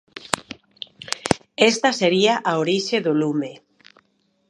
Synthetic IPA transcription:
est̪ɐseɾiaʔaoɾiʃeðolume

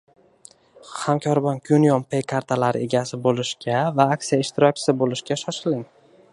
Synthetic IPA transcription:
hamkʲʰɒɾbɒnkʲʰunjɒmpʰejkʰaɾt̪ʰalaɾɪʔe̞ɡʲasɪbolˠɪʃkʲʰavaːksijaɪʃt̪ʰɪɾɒk̚ʲt͡ʃʰɪ̥sɪbolˠɪʃkʲaʃɒʃɪlɪŋ

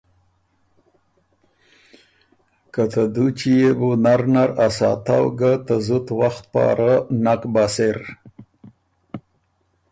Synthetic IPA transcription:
kat̪ad̪ut͡ʃijebunaɾnaɾasɑ̰t̪awɡat̪azut̪waxt̪̚pɑ̰ːɾanakbaseɾ

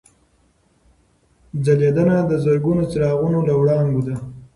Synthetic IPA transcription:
d͡zaljad̪anad̪əzəɾɡunot͡siɾɑɣunolawɽɑŋɡud̪a

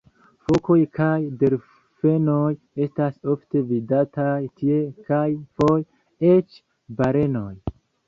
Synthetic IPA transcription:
fo̞ko̞jkajde̞ɾ | fe̞no̞j | e̞staso̞fte̞vidatajtʰie̞kajfo̞j | e̞t͡ʃ | baɾe̞no̞j

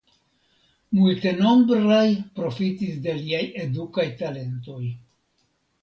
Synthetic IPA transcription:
multe̞no̞mbɾajpɾo̞fitisde̞liaje̞dukajtale̞nto̞j

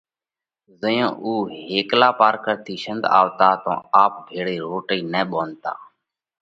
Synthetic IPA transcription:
zəjõːʔuːheːklaːpaːɾkəɾt̪ʰiːʃənd̪a̰ːʋt̪aːt̪õ̰ːaːp̚bʱeːɽeːɾoːʈiːnɛːɓoːnt̪a̰ː

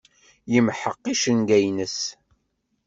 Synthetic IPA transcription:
jəmħəqːiʃənɡæjnəs

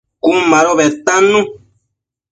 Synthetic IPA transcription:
kumãɾoβet̪anũ

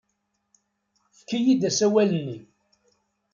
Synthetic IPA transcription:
θkːijid̪æsæwælənːi

